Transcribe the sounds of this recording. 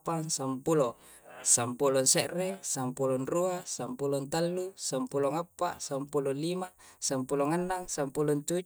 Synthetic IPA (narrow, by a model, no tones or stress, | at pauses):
paŋsampulo | sampulonseʔresampulonruasampulont̪alːusampuloŋapːa̰sampulolimasampuloŋanːaŋsampulont̪u